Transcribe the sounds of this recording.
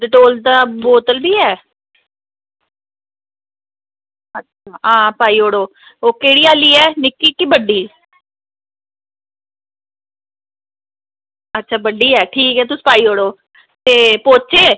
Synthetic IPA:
d̪eʈoːlt̪aːboːt̪əlbiːɛː | ətːʰaːãːpaːiːɦoːɽoː | oːkeːɽiːaːliːɛːnɪkːiːkiːbəɖiː | ətːʃʰaːbəɖiːɛːʈʰiːkɦɛːt̪ʊspaːiːɦoːɽoː | t̪eːpoːt͡ʃeː

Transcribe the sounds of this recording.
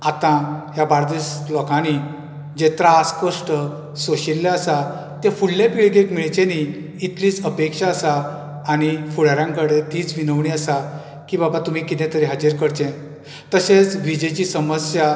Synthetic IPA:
at̪ãɦjabaɾd̪iːslɔkãni | d͡ʑet̪ɾaːskoʂʈə | soɕilːaəsa | t̪jefulːẽpiɭɡekmiɭt͡ɕẽniː | t̪liːt͡səpekʂaəsaː | ɽ̃ifuɭaɾjãŋkəɽet̪iːt͡sʋinəʋɳiasa | kiːbabat̪um̤iːkit̪ẽt̪əɾeɦad͡ʑəɾkəɾt͡ɕẽ | t̪əset͡sʋid͡ʑet͡ɕiːsəməsja

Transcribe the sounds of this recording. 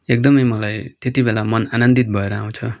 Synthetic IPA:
ek̚d̪ʌmʌjmʌlajt̪et̪ibelamʌnanʌnd̪it̪̚bʱʌeɾʌãw̃t͡sʰʌ

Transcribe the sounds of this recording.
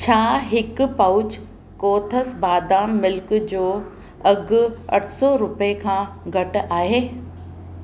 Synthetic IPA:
t͡ɕʰaːɦɪkpaʊt͡ɕ | koːt̪ʰəsbaːd̪aːmːɪlkd͡ʑoː | ɐɡʊ̆ɐ̰ʈʰsɔːɾʊpekʰãːɡʱɐʈʊ̆ʔaːɦeː

